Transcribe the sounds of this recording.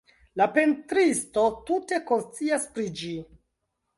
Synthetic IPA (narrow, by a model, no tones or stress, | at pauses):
lape̞ntɾisto̞tute̞ko̞nst͡siaspɾid͡ʒi